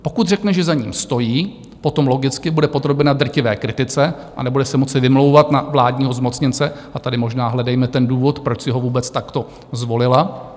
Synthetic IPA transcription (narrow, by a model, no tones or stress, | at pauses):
po̞kut̪r̝ɛknɛʒɛzaɲiːmst̪o̞jiː | po̞t̪o̞mloɡɪt͡skɪbudɛpod̪ɾo̞bɛnad̪r̩cɪvɛ̰ːkɾɪt̪ɪt͡sɛ | ʔa̰nɛbudɛsɛmo̞t͡sɪvɪmlowvat̪navlaːdɲiːɦo̞zmo̞t͡sɲɪnt͡sɛʔat̪adɪmo̞ʒnaːɦlɛdɛjmɛt̪ɛnduːvo̞t̪pɾot͡ʃsɪɦovuːbɛt͡st̪akt̪o̞ | zvo̞lɪla